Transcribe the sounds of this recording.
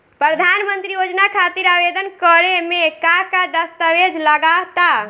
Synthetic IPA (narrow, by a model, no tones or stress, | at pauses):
pɾəd̪ʱanmənt̪ɾijod͡ʒnakʰat̪iɾabed̪ənkəɾemekakad̪əst̪əʋed͡ʒʱləɡat̪a